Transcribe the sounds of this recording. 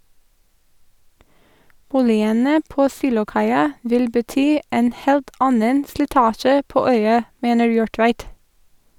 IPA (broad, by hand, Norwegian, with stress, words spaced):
ˈbuːlɪənə ˈpoː ˈsiːlʊˌkɑɪɑ ˈʋɪl bəˈtyː ˈeːn ˈheːlt ˈɑnən slɪˈtɑːʃə ˈpoː ˈœʏɑ ˈmeːnəɹ ˈjuːɹˌtʋæɪt